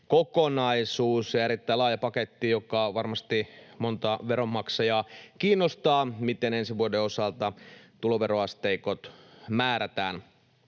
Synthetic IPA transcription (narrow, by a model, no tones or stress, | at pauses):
kokonɑisuːsjɑeɾit̪ːæilɑːjɑpɑket̪ːijokɑʋɑrmɑst̪imont̪ɑʋeɾomːɑksɑjɑːkiːnːost̪ɑːmit̪enensiʋuodeosɑlt̪ɑt̪uloʋeɾoɑst̪eikot̪mæːɾæt̪æːn